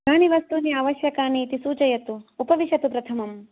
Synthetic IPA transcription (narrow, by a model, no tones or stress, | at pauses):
aːniʋɐst̪uniaːʋɐʃjɐkaːniːt̪isuːt͡ʃɐjɐt̪uːpɐʋiʃɐt̪upɾɐt̪ʰɐmɐm